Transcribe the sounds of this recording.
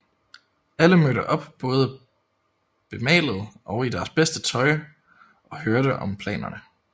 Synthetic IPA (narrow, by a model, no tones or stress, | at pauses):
æləmøɾəʔɒ̽b̥b̥ɔ̽ːð̞ˠə | b̥e̝mɛ̰ːlð̞̩ˠʔɒ̽ʊid̥æɐsb̥esd̥ət͡sʰɒ̽ɪ | ʔɒ̽høɐɾəʔɒ̽mpʰlɛ̰ːnɐ̰nə